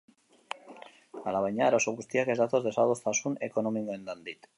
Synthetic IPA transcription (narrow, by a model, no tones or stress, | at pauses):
alaβaɲaɾosoɣust̪iakezðat̪ozðesaðosθasunḛkonomikoẽnd̪and̪it̪